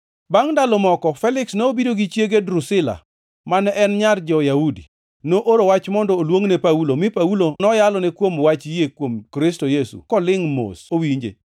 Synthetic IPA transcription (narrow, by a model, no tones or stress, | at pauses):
baŋdalɔmɔkɔfɛlɪksnoobidoɡit͡ʃjeɡedɾusɪla̰ | manɛʔɛnɲard͡ʒɔjaudḭ | noʔoɾowat͡ʃmɔndɔːlwoŋnepaulomɪpaulonɔjalɔnɛkwomwat͡ʃjekwomkɾɪstojesṵkɔlɪŋmo̰sowiɲd͡ʒḛ